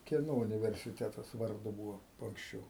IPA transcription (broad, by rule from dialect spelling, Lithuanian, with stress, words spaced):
ˈkʲiɛnoː ʊnʲɪʋʲɛrʲsʲɪˈtʲæːtɐs ʋɐrˈdʊ ˈbuːʋoː ɐŋksʲˈt͡ʃʲɛʊ